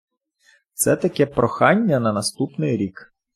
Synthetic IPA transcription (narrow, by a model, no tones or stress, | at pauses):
t̪sɛt̪ɐkɛpɾɔxɑnʲːɐnɐnɐst̪upnɪjɾʲik